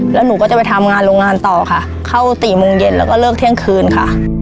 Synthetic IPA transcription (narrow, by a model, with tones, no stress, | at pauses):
lɛː˦˥nuː˦kɔː˥˩t͡ɕa˨˩pa˧jt̪ʰa˧mŋaː˧nɾoː˧ŋaː˧nt̪ɔː˨˩kʰa˥˩ʔ | kʰa˥˩wt̪iː˨˩mo˧ŋje˧nlɛː˦˥wkɔː˥˩lɤː˥˩k̚t̪ʰi˥˩əŋkʰɯː˧nkʰa˥˩ʔ